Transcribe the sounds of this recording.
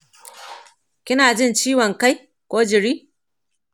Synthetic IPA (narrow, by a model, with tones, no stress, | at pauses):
kʲɪ˦naː˨d͡ʒɪ˦nt͡ʃiː˦wɔ˨ŋka˦j | kʷoː˦d͡ʒɪ˨ɽiː˦